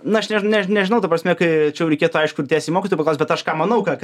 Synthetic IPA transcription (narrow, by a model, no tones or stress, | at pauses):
nʊɐʃnʲɛnʲɛnʲɛʒʲɪnɐʊt̪ɐpɾɐsʲmʲɛkɐɪt͡ʃʲɛjɛʊɾʲɛɪkʲeːt̪ʊɐɪʃkʊt̪ʲæːst̪ʲiːmoːkʲit̪ojpɐlˠʊsmʲbʲɛt̪ɐʃkɑːmɐnɐʊkɑk